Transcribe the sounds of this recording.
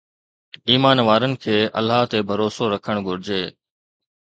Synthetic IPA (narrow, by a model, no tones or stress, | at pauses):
iːmaːnʋaːɾənɪ̆kʰeːʔɐ̰lːaːɦt̪ebʱɐɾoːsoɾɐkʰəɽ̃ɡʱʊɾɪd͡ʑeː